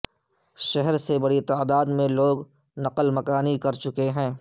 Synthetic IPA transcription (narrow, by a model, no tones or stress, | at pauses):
ʃɛɦɛɾsebɐɽit̪aːd̪aːd̪mẽloːɡ | nɐqəlmɐkaːnikɐɾt͡ʃʊkeɦɛ̃ː